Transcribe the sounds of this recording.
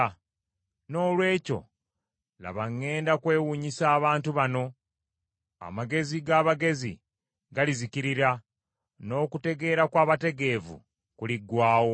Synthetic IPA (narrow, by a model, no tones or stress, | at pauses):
no̞ːlwe̞ːco̞̰ | la̰βaŋːe̞ːndakwe̞ːwuɲisaːβaːntuβano̞ | a̰maɡe̞ziɡaːβaɡe̞zḭ | ɡaliziciɾiɾa | no̞ːkute̞ɡe̞ːɾakwaːβate̞ɡe̞ːvṵ | kuliɡwaːwo̞